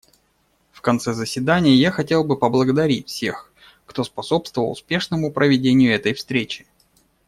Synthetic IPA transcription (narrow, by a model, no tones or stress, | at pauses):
fkɐnt̪sɛzəsʲvʲɪd̪anʲɪjəjaxɐtʲe̞lˠbɨpəblˠəɡəd̪ɐɾʲitʲfsʲe̞x | kt̪o̞spɐso̞pst̪vəvəlˠʊ̰spʲe̞ʂnəmʊpɾʔəvʲɪdʲenʲɪjʊɛt̪əjfst̪ɾʲet͡ɕɪ̥